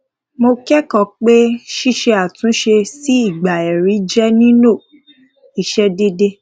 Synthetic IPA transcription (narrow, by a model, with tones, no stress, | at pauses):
mo˧kɛ˦kɔ˦˨k͡pe˦ʃi˦˨ʃe˧a˨tũ˨˦ʃe˧si˦i˦˨ɡ͡ba˨ɛ˨ɾĩ˨˦d͡ʒɛ˦nĩ˦no˦˨ | i˨ʃɛ˧de˦de˧